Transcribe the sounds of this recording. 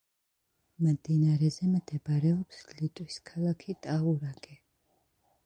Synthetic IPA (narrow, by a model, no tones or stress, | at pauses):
md̪inaɾɛzɛmd̪ɛbɾɛɔpslit̪ʼwiskʰalakʰit̪ʼauɾaɡɛ